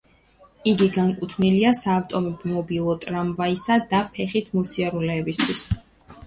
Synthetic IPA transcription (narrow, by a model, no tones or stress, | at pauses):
iɡiɡaŋkʼut̪ʰvniliasaːft̪ʼɔmɔbmɔbilˠɔt̪ʼɾamvaisad̪apʰɛχit̪ʰmusiaɾulɛːbist̪ʰwis